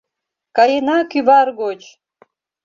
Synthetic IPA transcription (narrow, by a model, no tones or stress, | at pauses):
kɑjenɑkyβɑrɡot͡ɕ